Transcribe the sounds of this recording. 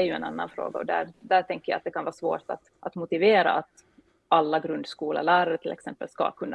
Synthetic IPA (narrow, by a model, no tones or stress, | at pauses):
ɛɾjɵɛ̰na̰nːanfɾo̰ːɡaɔ̰d̪æ̰ɾd̪æʈʰɛŋkəɾja̰at̪d̪ɛkʰanvɑːsvo̰ːʈa̰t̪ʔat̪mʊt̪ɪveːɾa̰at̪ | ʔalːaɡɾɵnd̪skuːla̰læːɾaɾəʈ̪ʰɪlʔɛ̰ksɛmpə̰lska̰kʰɵnːa